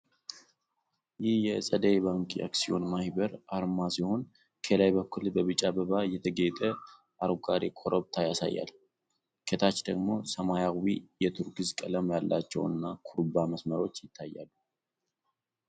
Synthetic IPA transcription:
jɪhjɛsʼəd̪əjβaŋkʼḭʔa̰ksio̞nmahibəɾaɾmasiho̞n | kʰəlajbəkːulbəβɨt͡ʃʼabəβajɛt̪ʰəɡəjt̪ʼə | ʔaɾɡaɾikʰoɾʔoβt̪ʰajasa̰jːa̰l | kʰet̪ʰat͡ʃːd̪əɡmo̞səmajawijɛt̪ʰuɾkɨzkʼələmjalːat͡ʃːɛ̰wɨ̰nːakʰuɾbaməsməɾo̞t͡ʃːjɪt̪ʰːajːa̰lːu

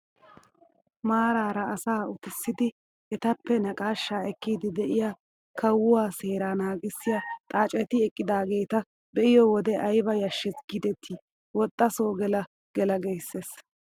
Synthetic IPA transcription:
maːɾaːɾɐːsaːʊt̪ɪsːɪd̪ɪ | ɛt̪ɐpːɛnɐkʼaːʃːaːɛkːiːd̪ɪd̪ɛʔɪjaː | kʰɐwːʊwaːseːɾaːnaːɡɪsːɪjat̪ʼaːt͡ʃʼɛt̪ɪɛkʼːɪd̪aːɡe̞ːt̪ɐ | bɛʔɪjɔwɔd̪ɛʔɐjbɐjɐʃːɛsɡ̥ɪd̪ɛt̪ʰːiː | wɔt̪ʼːɐsoːɡɛlɐ | ɡ̥ɛlɐɡɛjsːeːs

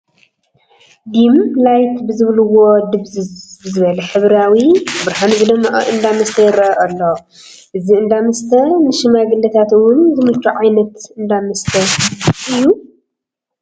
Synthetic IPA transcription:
d̪imlajt̪bɨzɨβlɨwod̪ɨβzɨzbɨzɨβɐlɐħɨβɾawibɨɾħanzɨd̪ɐmʔʼɐ̰ʔɨnd̪amɐst̪ʰɐjɪɾɐʔɐʔɐlːo | ʔɨziɨnd̪amɐst̪ʰɐnɨʃɨmaɡɨlːɐt̪ʰat̪ɨwʊnzɨmɨt͡ʃːuʕajnɐt̪ɨnd̪amɨst̪ʰɐʔɨjːu

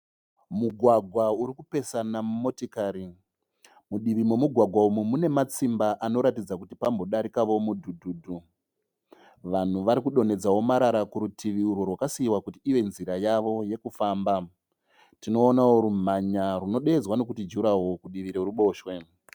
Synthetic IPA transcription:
muɡʱwaɡʱwauɾikupe̞sanammo̞tikaːɾi | muɗiʋimemuɡʱwaɡʱwaumumune̞mat͡simbaʔano̞ɾatid͡zakutipambo̞ɗaɾikaʋo̞mudʱudʱuːdʱu | ʋan̤uʋaɾikuɗo̞ne̞d͡zawo̞maɾaɾakuɾutʰiʋiurworwakasiːwakutiːʋe̞nziɾajaʋo̞je̞kufaːmba | tino̞ːnawoɾum̤aɲaruno̞ɗe̞d͡zwano̞kutid͡ʒuɾawo̞kuɗiʋiɾeuɾuɓo̞ːʃwe̞

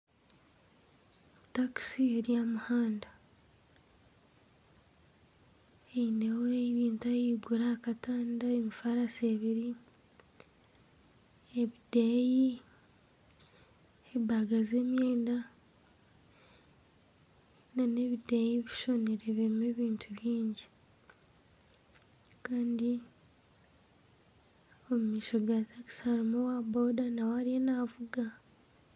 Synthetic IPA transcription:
taki̥sieɾjamuhaːnda | einewoeβiːntajiɡuɾakataːndaemifaɾaseβiɾi | eβideji | ebaɡaze̞ːmjeːnda | nane̞βidajiβiʃo̞neɾeβemeβiːntʰuβjiːɲɟi | kaːndi | omumiːʃoɡataki̥saɾimowabo̞ːdanawaɾijenaːvuɡa

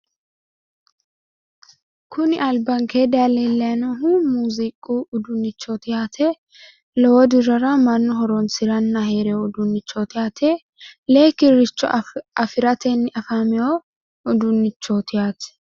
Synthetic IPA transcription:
kʰʊnɪʔɐlbɐŋkeːd̪alɛlːɛɐnɐɦumuːzɪkʼːuːʊd̪ʊnːɪt͡ʃːot̪ɪjaːt̪ʰɛ | lɔwɔd̪ɪɾɐɾɐmɐnːʊɦɔɾɔnsɪɾɐnːɐheːɾɛjoʊd̪ʊnːɪt͡ʃːot̪ɪjaːt̪ʰɛ | leːkɪɾɪt͡ʃːɔɐfɪɾɐt̪ʰɛnːɪʔɐfamɛjo | ʊd̪ʊnːɪt͡ʃːoːt̪ɪjaːt̪ɛ̥

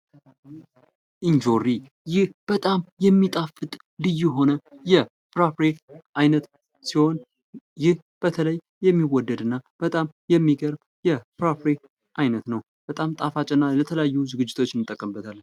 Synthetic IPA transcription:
ʔind͡ʒo̞ɾi | jɪhb̥ət̪ʼamjɛmːit̪ʼafɨt̪ʼ | lɨjːuɦo̞nəjɛ | pɾopɾeʔajnət̪ | siho̞n | jɪh | b̥ət̪ʰələjːɛmːiwɔd̪ːəd̪ɨnːab̥ət̪ʼamjɛmːiɡəɾb | jɛpɾopɾe | ʔajnət̪nəw | b̥ət̪ʼamt̪ʼafat͡ʃʼɪnːalət̪ʰələjajːuzɨɡɨd͡ʒːɪt̪ʰo̞t͡ʃːnːmɨt̪ʼːəkʼːəmbət̪ʰalːən

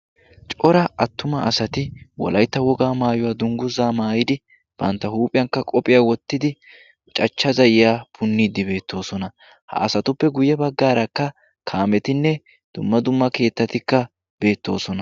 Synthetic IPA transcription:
t͡ʃʼɔɾɐʔɐt̪ːʊmɐʔɐsɐt̪ɪwɔ̰lɐjt̪ːɐwɔɡaːmaːjɔwaːd̪ʊŋɡʊzaːmaːjɪd̪ɪ | b̥ɐ̰nt̪ːɐhuːpʼɪjɐŋkːɐkʼɔpʼɪjaːwɔt̪ːɪd̪ɪ | t͡ʃʼɐt͡ʃːɐzɐjɪjaːpʰʊnːiːd̪ːɪbe̞ːt̪ːo̞ːsɔnɐ | hɐ̰ʔɐsɐt̪ʊpːɛɡʊjɛbɐɡːaːɾɐkːɐ | kʰaːmɛt̪ɪnːɛ | d̪̥ʊmːɐd̪ʊmːɐke̞ːt̪ːɐt̪ɪkːɐ | b̥e̞ːt̪ːo̞̰ːsɔnɐ

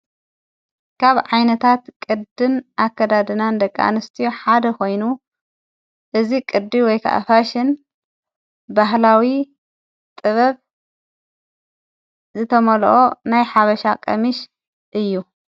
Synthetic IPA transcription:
kʰaβʕajnɐt̪ʰat̪kʼɨd̪ɨnʔakʰːɐd̪ad̪ɨnand̪ɐkʼːa̰nɨst̪ʰijoħad̪ɐkʰo̞jnu | ʔɨzikʼɨd̪ːiwɔjkʰa̰ʔa̰faʃɪn | baɦlawi | t̪ʼɨβɐβ | zɨt̪ʰɐmɐlʔonajħaβɐʃakʼɐmiʃ | ʔɨjːu

